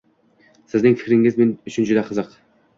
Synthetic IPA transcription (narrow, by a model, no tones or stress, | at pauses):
sɪznɪŋfɪ̥kʲɾɪŋɪzmenʊt͡ʃʰɪnd͡ʒʊd̪ɛqʰəzəq